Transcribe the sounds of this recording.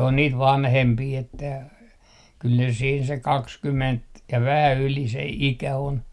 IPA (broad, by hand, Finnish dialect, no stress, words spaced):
on niːt ʋɑnhempiː etːæ kyl ne siːn se kɑkskyment jɑ ʋæhæ yli se ikæ on